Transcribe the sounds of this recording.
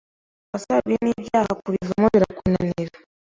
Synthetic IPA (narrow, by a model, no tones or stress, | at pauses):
βasaβinibjaːhakuɾivamoβiɾakunaniɾa